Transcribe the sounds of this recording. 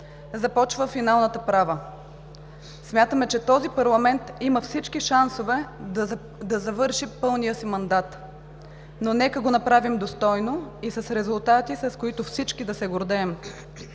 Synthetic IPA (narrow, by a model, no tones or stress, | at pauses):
zɐpɔt͡ʃvəfinalˠnət̪əpɾavə | smʲjat̪əmɛt͡ʃɛt̪ɔzipɐɾlˠɐmɛnt̪iməfsit͡ʃkiʃansovɛ | d̪ɐzɐvɤɾʃipɤlˠnijəsimɐnd̪at̪ | nonɛkəɡonɐpɾavimd̪ost̪ɔjnoisɐsɾɛzʊlˠt̪at̪isɐskoit̪ʊfsit͡ʃkid̪ɐsɛɡoɾd̪ɛːm